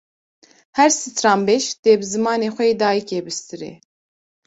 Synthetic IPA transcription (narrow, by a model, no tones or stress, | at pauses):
hɛɾsɨt̪ʰɾɑːmbeːʃt̪eːbɨzɨmɑːneːxʷɛeːd̪ɑːjikeːbɨst̪ɨɾɛ̰